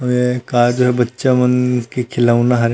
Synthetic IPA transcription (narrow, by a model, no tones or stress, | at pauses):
ɐmekaːd͡ʒoɦɛbɐtːʃamənkekʰɪlaːunaɦɐɾ